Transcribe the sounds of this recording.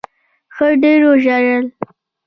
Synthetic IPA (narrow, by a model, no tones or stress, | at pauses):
xəɖeɾoʒaɾəl